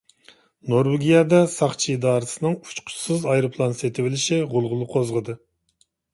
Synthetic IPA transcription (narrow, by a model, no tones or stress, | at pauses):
noɾwɪɡʲijɑd̪ɑsɑχt͡ʃʰid̪ɑːɾɨsɨnɨŋu̥t͡ʃqʰʊ̥sɨzɑjɾɨpʰlˠɑnset̪ʰɪwɪlɪʃiʁʊlˠʁʊlˠɨqʰozʁəd̪ɨ